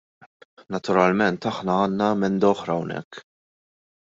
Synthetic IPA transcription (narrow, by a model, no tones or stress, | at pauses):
nɐt̪ʊɾɐlmɛnt̪ɐħnɐɐːnːɐɛmɛnd̪ɐɔħɾɐwnɛ̰kː